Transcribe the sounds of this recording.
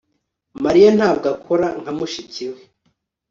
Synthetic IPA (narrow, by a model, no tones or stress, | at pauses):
maɾijan̥haːb̚ɡakʰoɾaŋ̥hamuʃiciwe